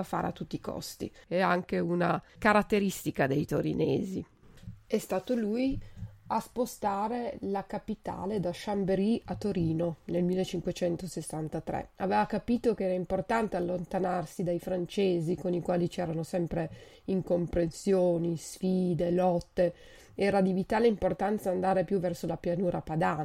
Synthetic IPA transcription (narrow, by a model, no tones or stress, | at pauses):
afa̰ːɾḛa̰t̪ːut̪ːiːkɔ̰st̪ḭɛaŋkeunakaɾat̪ːeɾist̪ikad̪ejt̪oɾḭnḛːzi | ɛst̪aːt̪oluːjaspost̪aːɾelakapit̪a̰ːled̪aʃambeɾiat̪ːoɾiːnonelmilːet͡ʃːiŋkwet͡ʃɛnt̪osesːant̪at̪ɾɛ̰a̰veːvakapiːt̪okeɛːɾaimport̪ant̪ealːont̪anarsid̪ajfɾant͡ʃeːzikonikwaːlit͡ʃɛːɾanosɛmpɾe | iŋkompɾensjoːnisfiːd̪elɔt̪ːe | ɛːɾad̪ivit̪aːleimport̪ant̪saːnd̪aːɾepjuvɛrsolapjanuːɾapad̪aːn